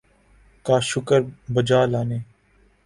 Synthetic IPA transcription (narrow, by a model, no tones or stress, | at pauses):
kaːʃʊkəɾbəd͡ʒaːlaːneː